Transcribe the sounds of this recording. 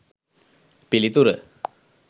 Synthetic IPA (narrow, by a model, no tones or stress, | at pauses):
pilit̪uɾə